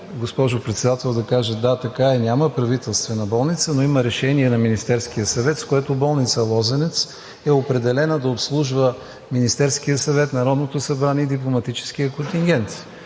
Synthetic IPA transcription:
ɡospɔʒʊpɾɛt̪sɛd̪at̪ɛlˠd̪ɐkaʒəd̪at̪ɐkaɛnʲaməpɾɐvit̪ɛlˠst̪vɛnɐbɔlˠnit̪sənoiməɾɛʃɛniɛnɐminist̪ɛɾskijəsɐvɛt̪skoɛt̪obɔlˠnit̪səlˠɔzɛnɛt̪s | ɛopɾɛd̪ɛlɛnəd̪ɐopslˠuʒvə | minist̪ɛɾsk̟iəsɐvɛt̪nɐɾɔd̪not̪osɐbɾanʲɛid̪iplˠomɐt̪it͡ʃɛ̥sk̟ijəkont̪iŋɡʲɛnt̪

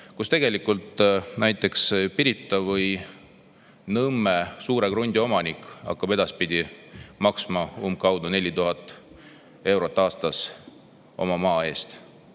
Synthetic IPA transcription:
kust̪e̞ɡ̥e̞likːˑult̪næjt̪ˑːe̞kspiɾit̪ːˑɑvɤj | nɤmːesuːɾe̞kɾunʲd̪̥ʲio̞mɑnikˑɑ̰kːɑb̥e̞d̪̥ɑspid̪̥ʲimɑksmɑumbkɑwd̪une̞lʲit̪uɦɑt̪ːˑ | e̞wɾo̞t̪ˑːɑːst̪ɑs | o̞̰mɑmɑːe̞ːst̪

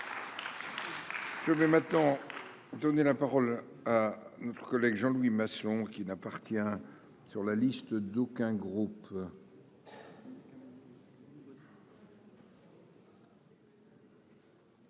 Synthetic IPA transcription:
ʒ̥əvɛmɛ̃t̪nɑ̃ | d̪ɔnelapaʁɔl | anɔt̪χə̥kɔlɛɡʒɑ̃lwimasɔ̃kʲinapaʁt̪jɛ̃ | syʁlalist̪d̪okʲɛ̃ɡʁup

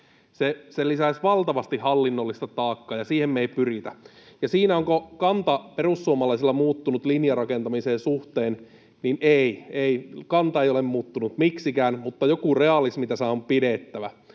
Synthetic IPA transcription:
seselisæsʋɑlt̪ɑʋɑst̪ihɑlːinːolːist̪ɑt̪ɑːkːɑːjɑsiːhemːeipyrit̪æjɑsiːnæoŋkokɑnt̪ɑperusːuomɑlɑisilːɑmuːt̪ːunut̪linjɑrɑkent̪ɑmiseːnsuht̪eːn | ninʔeieikɑnt̪ɑejolemmuːt̪ːunut̪miksikæːnmut̪ːɑjokureɑlismit̪æsɑːopidet̪ːæʋæ

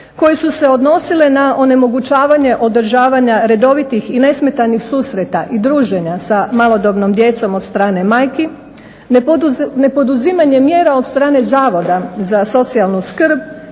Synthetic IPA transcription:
ko̞jesuse̞o̞d̪no̞silenaʔo̞ne̞mo̞ɡut͡ɕaːʋaɲe̞ʔo̞d̪r̩ʒaːʋaɲaɾe̞d̪o̞ʋit̪ixine̞smet̪anixsuːsɾet̪aʔid̪ɾuːʒe̞ɲasamalˠo̞d̪o̞bnomd̪je̞t̪so̞mo̞t̪st̪ɾaːne̞maːjki | ne̞po̞d̪uzimaɲe̞mje̞ːɾao̞t̪st̪ɾaːne̞zaːʋo̞d̪azaso̞t̪sialˠnuskɾ̩b

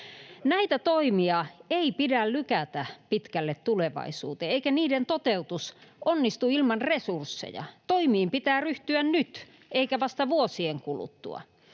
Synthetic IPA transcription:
næit̪æt̪oimiɑeipidællykæt̪æpit̪kælːet̪t̪uleʋɑ̰isṵːt̪eeikæniːdent̪ot̪eut̪usʔonːist̪uilmɑnresursːḛjɑ̰t̪oimiːmpit̪æːryht̪yænnyt̪ | eikæʋɑst̪ɑʋuosieŋkulṵt̪ːṵɑ̰

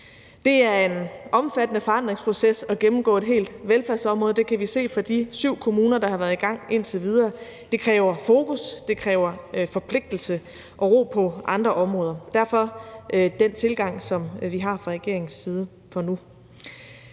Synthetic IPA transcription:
d̥e̝æɐe̝nɒ̽mfæd̥ənəfɒ̽ɑ̈n̰d̥ʁeŋspʰʁo̝sesɒ̽ɡ̥emm̩ɡ̥ɔ̰̽ːe̝d̥ɦe̝̰ːld̥ʋelfæɐsɒ̽mʁɔ̽ːð̞ˠd̥ekʰæʋise̝̰ːfɒ̽d̥isyʊ̰kʰo̝muːnɐd̥ɑ̈hɑ̈ʋæːɐðˠiɡ̥ɑ̈ŋ̰e̝n̰t͡sʰeʋið̞ˠɐː | d̥e̝kʰʁɛːʊɐfo̝ːkusd̥e̝kʰʁɛːʊɐfɒ̽pʰle̝ɡ̥̚d̥l̩sə | ʔɒ̽ʁo̝̰ːpʰɒ̽ʔɑ̈nd̥ʁɐʔɒ̽mʁɔ̽ːðˠɐd̥æɐfɒ̽ʔd̥en̰t͡sʰe̝lɡ̥ɑ̈ŋ̰sɒ̽mʋiɦɑ̈fʁɑ̈ʁɛɡ̥e̝̰ɐ̰e̝ŋn̩siːð̞ˠə | fɒnu

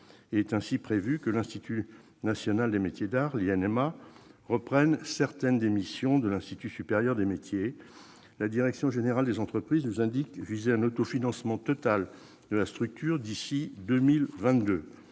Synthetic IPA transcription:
eɛt̪ɛ̃sipχevykəlɛ̃st̪it̪ʰy | nasjɔnald̪emet̪jed̪aʁliɛnɛmaʁəpχɛnsɛʁt̪ɛnd̪emisjɔ̃d̪əlɛ̃st̪it̪ysypeʁjœʁd̪emet̪je | lad̪iʁɛksjɔ̃ʒeneʁald̪ezɑ̃t̪χəpχiznuzɛ̃d̪ikvizeɛ̃not̪ofinɑ̃smɑ̃t̪ɔt̪al | d̪əlast̪χyk̚t̪yʁd̪isid̪ømilvɛ̃t̪d̪ø

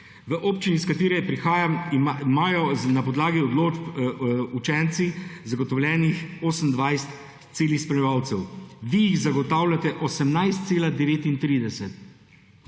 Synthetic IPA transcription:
ʋəʔoːpt͡ʃiniskat̪eːɾɛpɾixaːjaimaːjɔnapɔd̪laːɡiɔd̪loːd͡ʒput͡ʃɛnt̪sizaɡɔt̪ɔwlʲjɛːnixoːsənd̪ʋajst̪ | seːlixspɾɛlɛʋaːwt̪sɛwʋijiɣzaɡɔt̪aːwlʲat̪ɛʔɔsəmnajst̪t̪seːlad̪ɛʋeːt̪int̪ɾiːd̪ɛsɛt̪

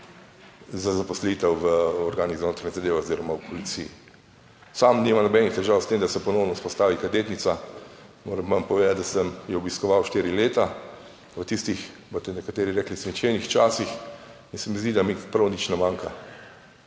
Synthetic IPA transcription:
zazapɔslit̪ɛwʋəɔɾɡaːniɣzanoːt̪ɾaɲɛzad̪eːʋɛoziɾɔmawpʰɔlit̪siji | samnimanɔbɛnixt̪ɛʒaːwst̪emd̪asɛpɔnɔwnɔuspɔst̪aːʋikad̪eːt̪nit̪samo̰ɾɛmːampɔʋeːd̪at̪̚d̪asəmjɛɔbiskɔʋawʃt̪eːɾileːt̪a | ʋət̪ist̪ixbot̪ɛnɛkat̪eːɾiɾɛːklismit͡ʃenixt͡ʃaːsix | insɛmizd̪id̪amipɾɐwnit͡ʃnɛmaːŋka

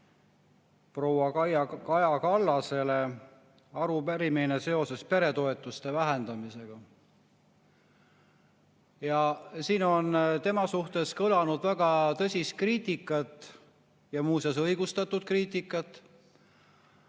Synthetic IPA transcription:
pro̞wɑɑjkɑjɑkɑlːɑse̞le̞ | ɑɾupæɾiminese̞o̞se̞spe̞ɾe̞t̪o̞e̞t̪ːˑust̪e̞væɦend̪̥ɑmise̞ɡ̥ɑ | jɑsiːno̞nt̪e̞mɑsuht̪e̞skɤlɑnud̪̥væɡ̥ɑt̪ɤsʲist̪̚kriːt̪ikːˑɑt̪ːˑ | jɑmuːsesɤjɡ̥ust̪ɑt̪ːud̪̥̚kriːt̪ˑikːˑɑt̪ːˑ

